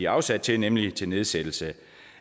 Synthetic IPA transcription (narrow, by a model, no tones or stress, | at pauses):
iɑ̈ʊsæd̥̚t͡sʰe̝nemlit͡sʰe̝lne̝ð̞ˠsed̥l̩sə